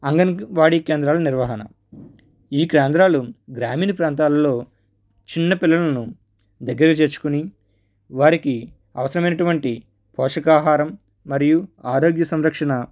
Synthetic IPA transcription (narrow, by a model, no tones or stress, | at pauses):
ɐŋɡɐnʋaːɽiːkeːnd̪ɾaːlɐniɾʋɐɦɐnɐ̰ | iːkɾeːnd̪ɾaːluɡɾaːmiːnipɾaːnt̪aːlɐlo̞ː | t͡ʃinːɐpilːɐlɐnu | d̪ɐɡːɐɾɐt͡ʃe̞ːt͡ʃu̥kuni | ʋaːɾiki | ɐʋɐsɐɾɐmɐjnɐʈuʋɐɳʈi | pɔːʂɐkaːɦaːɾɐmː | ɐɾijuaːɾo̞ːɡjɐsɐmɾɐkʂɐnɐ